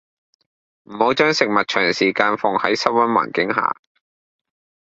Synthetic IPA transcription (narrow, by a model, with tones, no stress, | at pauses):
m̩˨˩ho˨˥wt͡ʃœː˥ŋsɪ˨k̚mɐ˨t̚t͡ʃʰœː˨˩ŋsiː˨˩kaː˧nfʊ˨ŋhɐ̰˨˥jsɐ˥wɐ˥nwa̰ː˨˩nkɪ˨˥ŋɦa̰ː˨